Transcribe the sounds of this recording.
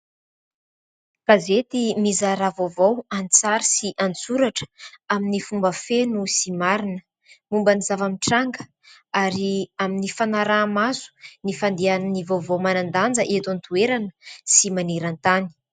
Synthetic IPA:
kazet̪imizaɾavovowant͡saɾisiʔant͡suɾaʈ͡ʂə̥aminifumbəfenusimaɾinə | mumbənizavamiʈ͡ʂaŋɡə̥ | aɾiaminifanaɾamazu̥nifand̪iannivovowmanand̪and͡zəʔet̪ant̪ueɾanə̥simaneɾant̪ani̥

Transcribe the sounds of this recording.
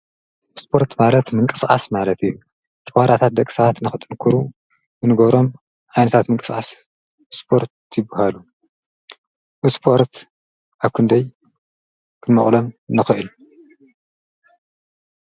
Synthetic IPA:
spʰo̞ɾt̪malɐt̪mɨŋkʼɨsʔʼasmalɐt̪ɨjːu | t͡ʃʼɨwaɾat̪ʰat̪̚d̪ɐkʼi̥sɐβat̪nɨxɨt̪ʼɨnkʰɨɾu | ɨnɨɡɐβɾo̞m | ʕajnɐt̪ʰat̪mɨŋkʼɨsʔas | spʰo̞ɾt̪jɪbɐhalu | ɨspʰo̞ɾt̪ | ʔaβkʰɨnd̪ɐj | kʰɨnmɐχʼlo̞mnɨxɨʔɨlu

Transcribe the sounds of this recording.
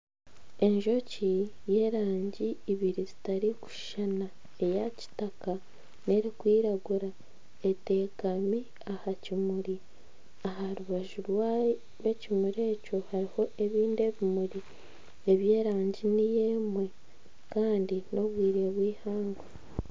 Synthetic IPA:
e̞ɲʒo̞cije̞ɾaːɲɟiːβiɾizitaɾiku̥ʃana | e̞jaci̥taka | ne̞ɾikwiːɾaɡuɾa | e̞te̞kami | ahacimuɾi | aɦaɾuβaʒuɾwa | we̞cimuɾe̞ːco̞haɾiho̞e̞βiːnde̞βimuɾi | e̞βje̞ːɾaːɲɟinije̞mwe̞ | kaːndino̞βwiːɾeβwiːhaːŋɡa

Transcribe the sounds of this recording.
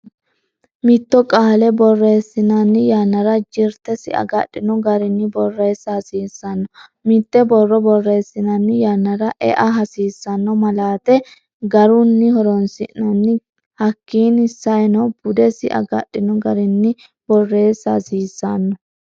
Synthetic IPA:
mɪt̪ːɔkʼaːlɛbɔrːe̞ːsːɪnɐnːɪjanːɐɾɐd͡ʒɪɾt̪ɛsɪ̰ɐ̰ɡɐ̰ɗɪnɔɡɐɾɪnːɪbɔrːeːsːasiːsːɐnːɔmɪt̪ːɛbɔrːɔbɔrːe̞ːsːɪnɐnːɪjanːɐɾɐʔɛ̰ʔɐɦɐsiːsːɐnːɔmɐlaːt̪ɛ | ɡɐɾʊnːɪhɔɾɔnsɪ̰ʔnɐnːɪ | hɐkːiːnhɪsːɐjnɐwb̥ʊd̪ɛsɪʔɐ̰ɡɐ̰ɗːɪnɔɡɐɾɪnːɪ | b̥ɔrːe̞ːsɐ̰siːsːɐnːɔ

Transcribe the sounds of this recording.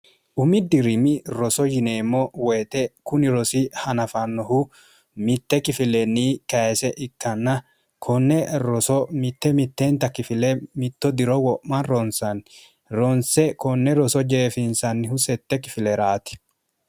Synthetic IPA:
ʔʊmɪd̪ɪɾɪmɪɾɔsɔjɪneːmːɔweːt̪ʼɛkʊnɪɾɔsɪhɐnɐfɐnːɔhu | mɪt̪ːɛkɪfɪlɛnːiːkɐsɛʔɪkːɐnːɐ | kʰɔnːɛɾɔsɔmɪt̪ːɛmɪt̪ːent̪ɐkɪfɪlɛmɪt̪ːɔd̪ɪɾɔwɔʔːɐnɾɔnsɐn | ɾɔnsɛkɔnːɛɾɔsɔd͡ʒeːfɪnsɐnːɪhʊsɛt̪ːɛkɪfɪlɛɾaːt̪ɪ̥

